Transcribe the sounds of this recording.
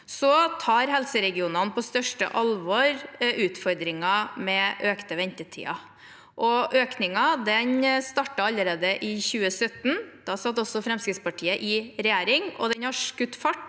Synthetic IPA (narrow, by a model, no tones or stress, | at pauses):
sɔt̪ʰɑːɾɦɛlsəɾɛɡɪuːnɑnpʰɔst̪œʂʈə̰ʔɑlʋɔɾʉːt̪fɔɾd̪ɾɪŋɑmɛʔøːkt̪əʋɛnt̪ət̪ʰḭːɑ̰ | ʔɔʔøːknɪŋɑd̪ɛnst̪ɑʈːɑɑlːəɾeːd̪əʔɪçʉːəsœt̪n̩d̪̥ɑsɑt̪ːɔsɔfɾɛmskɾɪt̪spɑʈʰiːəʔɪɾɛjæːɾɪŋɔ̰d̪ɛnhɑʂkʉt̪ːfɑʈː